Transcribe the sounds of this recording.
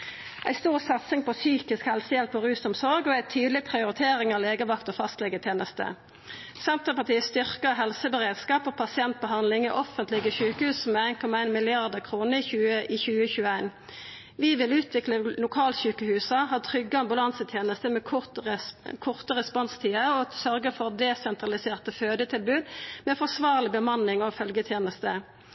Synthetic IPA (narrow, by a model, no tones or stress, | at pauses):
æɪst̪uːʁsɑt̪sɪŋpɔsyːkɪskhɛlsəjɛlpɔʁʉːsʊmsɔɾɡɔæɪt̪ʰyːd̪lɪpʰʁɪʊɾɪt̪ʰeːɾɪŋɑʋleːɡəʋɑkt̪ɔfɑst̪lɛɡət̪ʰjeːnəst̪ə̰ | sɛnt̪əpɑt̪iːəst̪ʏʁkəɦɛlsəbəʁeːd̪skɑːpopʰɑsɪɛnt̪̚bəɦɑnd̪lɪŋɛ̰ʔɔfənt̪lɪɡəʃʉːkəhʉːsmɛæɪnkʰɔmɑæɪnmɪlɪɑʁd̪əʁkʰʁuːnəɪçʉːəiːçʉːəçʉːəæɪn | ʋɪʋɪlʉːt̪ʰʋɪkləlʊkʰɑːlçʉːkəhʉːsɑɦɑːt̪ʰʁʏɡːəɑmbʉlɑnsət̪ʰjeːnəst̪əmɛ | kʰʊʁt̪əʁɛspɔnst̪ʰiːəɔsœʁɡəfɔʁd̪ɛsɛnt̪ʁɑlɪseːʁt̪əføːd̪ət̪ʰɪlbʉːd̪mɛːfɔʁsʋɑːʁlɪbəmɑnɪŋɔfœlɡət̪ʰjeːnəst̪ə